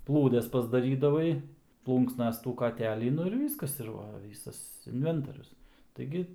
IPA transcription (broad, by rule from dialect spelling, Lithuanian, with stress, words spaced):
ˈplˠuːdʲɛs pɐzdɐˈrʲiːdɐʋɐɪ ˈplˠuːŋksnɐs tuː kɐˈtʲæːlʲiː ˈnʊ ɪr ˈʋʲiːskɐs ɪr ˈʋɐ ˈʋʲiːsɐs ɪnʲˈʋʲɛntoːrʲʊs tɐɪˈɡʲɪ